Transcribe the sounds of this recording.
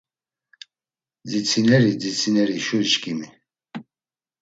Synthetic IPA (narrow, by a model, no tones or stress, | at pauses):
d͡zit͡sʰinɛɾid͡zit͡sʰinɛɾiʃuɾʃkʰʼimi